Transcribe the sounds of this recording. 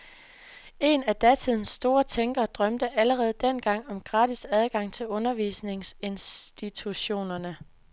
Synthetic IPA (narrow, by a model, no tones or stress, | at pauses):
e̝næd̥æt͡sʰiðˠn̩sːd̥o̝ːɐt͡sʰeŋɡ̥ɐːd̥ʁɶmd̥əʔæləʁɛːð̞̩ˠd̥en̰ɡ̥ɑ̈ŋ̰ɒ̽mɡ̥ʁɑ̈ːd̥isæð̞ˠɡ̥ɑ̈ŋ̰t͡sʰe̝lɔ̽nɐʋḭsne̝ŋse̝nsd̥it͡sʰuɕo̝̰ːnɐnə